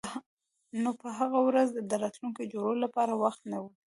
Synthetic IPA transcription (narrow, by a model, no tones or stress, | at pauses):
nopəɦaɣawɾazd̪əɾɑt̪lunked͡ʒoɽolapɑɾawaxt̪nawi